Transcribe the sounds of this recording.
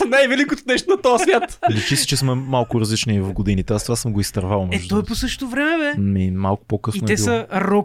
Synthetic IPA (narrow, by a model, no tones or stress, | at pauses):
nɛɛvɛlikot̪ʊnɛʃt̪ʊnɐt̪ɔɐsvʲjat̪lit͡ʃisi̥t͡ʃɛsməmalˠkʊɾɐzlit͡ʃniivɐfɡod̪init̪ɛast̪ovasəmɡʊist̪ɐɾvalˠmɛɛʒd̪t̪ɔɛposəʃt̪t̪ʊvɾɛmɛmɛnɛmalˠkʊ̥pɔkəsfinɛsiɐɾɔ